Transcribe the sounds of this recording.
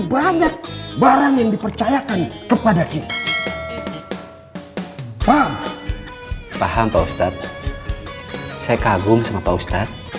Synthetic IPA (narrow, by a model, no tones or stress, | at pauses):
baɲak̚baɾaŋjaŋdipərt͡ʃajakankəpadaʔit̪i | pam | paɦampaust̪at̪̚ | sajakaɡʊmsəŋapaust̪at̪̚